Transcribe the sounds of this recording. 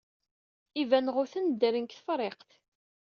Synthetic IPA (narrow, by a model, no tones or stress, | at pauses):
ivænʁʊθənd̪əɾənkθəfɾˤeqθ